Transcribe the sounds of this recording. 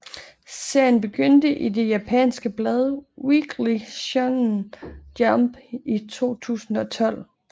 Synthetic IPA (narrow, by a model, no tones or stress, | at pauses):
se̝ɐ̰jənb̥e̝ɡ̥øn̰d̥əʔide̝jæpʰɛ̰nsɡ̥əb̥lɛð̞ˠəwiɡ̥liɕɑŋnd̥jɑmb̥it͡sʰo̝̰ːt͡sʰṵːsn̩ɒ̽t͡sʰɒ̽l̰